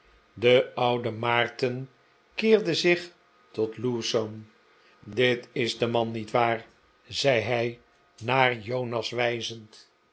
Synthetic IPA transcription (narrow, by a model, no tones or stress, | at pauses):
dəʌwdəmaːɹtən | kɪːɹdəzɪχ | tɔtlusom | dɪtɪzdəmɑnːitʋaːɹ | zɛjɦɛj | naːɹjownɑsʋɛjzənt